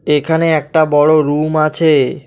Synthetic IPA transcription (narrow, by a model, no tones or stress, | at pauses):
ekʰaneɛk̚ʈabɔɽoɾumat͡ɕʰe